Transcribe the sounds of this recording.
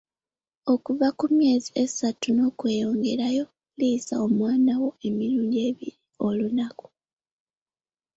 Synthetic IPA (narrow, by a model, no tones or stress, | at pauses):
o̞kuvakumje̞ːzie̞satuno̞ːkwe̞ːjo̞ːŋɡe̞ɾajo̞ | lisao̞mwaːnawo̞e̞miɾuːndie̞βiɾio̞lunaku̥